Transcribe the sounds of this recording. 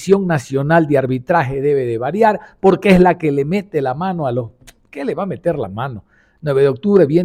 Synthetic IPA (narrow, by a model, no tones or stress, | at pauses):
sjo̞ŋnasjo̞nald̪eaɾβit̪ɾaxe̞ðe̞βe̞ðeβaɾjaɾpo̞ɾkeezlake̞le̞me̞t̪elamanoalos | keleβame̞t̪e̞ɾla̰mano̞ | nwe̞βeðeok̚t̪uβɾe̞βje